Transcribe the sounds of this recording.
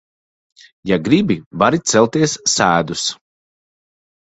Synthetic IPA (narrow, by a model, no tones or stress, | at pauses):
jaɡɾibivaɾit̪sɛlˠt̪iɛsːæːd̪us